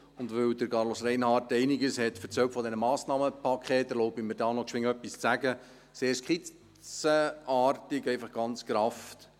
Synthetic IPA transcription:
ʊndʋøwdəɾkʰɑɾlosrɛɪnhɑːɾtɛɪniɡəshɛtfəɾt͡sœwtfɔd̪ɛnəmɑːsnɑːməpʰɑkχeːtəlɔʊbiməɾdɑːnɔkʃʋɪŋœpːist͡sæɡə | seːɾskʰχi | t͡səɑːrtɪɡɛɪfɑχɡ̥ɑnt͡skɾɑft

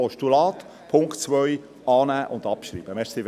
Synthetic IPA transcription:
ɔʃtulɑːt̪ | pʰʊŋktt͡sʋœʏ | ɑːnæːʔʊndɑpʃɾḭːb̥əmɛʃsi

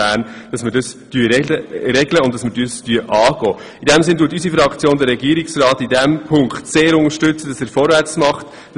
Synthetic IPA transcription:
æːnd̥ɑsməɾdəsd̥yəɛəɾɛɡləʊntɑsməɾdyəstyəʔɑːɡ̥ɔː | idɛmsɪnduːtysifɾɑkt͡sjoːndəɾɛɡiəɾɪksrɑːtidɛmpʰʊŋkχtseːɾʊŋəɾʃtʏt͡səd̥ɑsæːɾfɔɾvæɾt͡smɑχt

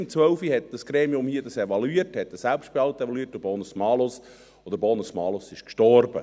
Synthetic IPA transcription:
mt͡sʋœʊfihɛt̚d̥ɑsɡ̥ɾeːmiʊmhiədɑseʋɑluiəthɛt̪̚dəsælpʃt̚b̥eɑltevɑluiːət̚dəbonusmɑːlos | od̪əɾbonusmɑːlosɪʃkʃtɔrbə̰

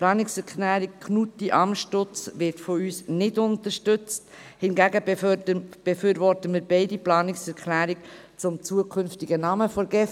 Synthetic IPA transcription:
plɑːnɪksɛɾkʰlæːɾik̚kʰnutiʔɑmʃtʊt͡sʋɪɾtfɔyːsnɪdʊntəɾʃtʏt͡st | hɪnɡæɡə | b̥ɛfyːɾvɔɾtəmiːɾbɛɪdiplɑːnɪksɛɾkʰlæːɾɪk | t͡sʊmt͡suəkʰʏnftiɡənɑməfɔɾɡɛf

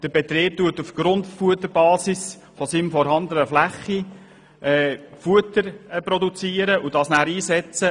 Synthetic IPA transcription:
d̪̥əɾbet̪ɾeːp̚tuətufɡ̥ɾʊntfuət̪ːəɾbɑːsɪs | fɔsiːmfɔɾɦɑnd̪ənəflæχːi | ʔɛːfuətəɾprɔdut͡siːəɾəʔud̥ɑːsnæːɾiːsɛt͡sə

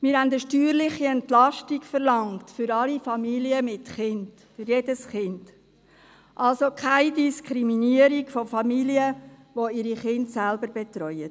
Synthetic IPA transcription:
mɪːɾɦændəʃtyːɾlɪχiɛntlɑʃtikfəɾlɑŋtfʏɾɑlifɑmiliəmɪtχɪnd̥ | fʏɾjedəsχɪnd̥ | ʔɑlsokʰaɪdiskʰɾiminiəɾikfofɑmiliəʋoɪɾiχɪntsælbəɾbɛt̪ɾɔʏət

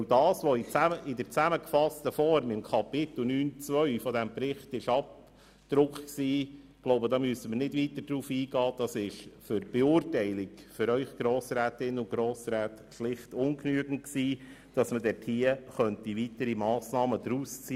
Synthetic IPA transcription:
dɑːsʋɔɪt͡sæəʔɪdəɾt͡sæməkfɑstəfɔɾmɪmkʰɑpɪt̪l̩nyːnt͡sʋœɥfɔdɛmpɾɪχtɪʃɑp | d̪̥ɾʊkχksiː | ɡ̥loʊbədɑːmyəsəməɾnɪdʋit̪ədɾuːfiːɡɑːd̥̪ɑsɪʃfʏɾb̥ɛʊːrtæɪlɪɡfʏɾœʏχɡ̥ɾoːsɾæːtɪnʊɡ̥ɾoːsɾæːt | ʃlɪχtʊnknyəɡn̩tksiːd̥ɑsmədɛthiəχœntivitəɾimɑːsnɑːməd̪ɾust͡si

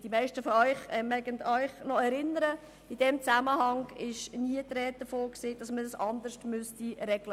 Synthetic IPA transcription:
d̥imæɪʃtəfɔœʏχɛmɛɡəndœʏχnɔɛɾɪnəɾə | id̥ɛmt͡saməɦɑŋɪʃniətɾɛt̚d̥̪əfoːksid̥ɑsmədəsɑnd̪əʃtmʉstiɾɛɡ̥lə

